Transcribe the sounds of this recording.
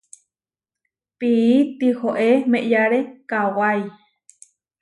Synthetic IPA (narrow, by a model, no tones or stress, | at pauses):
piit̪ihoʔemẽʔjaɾekawaj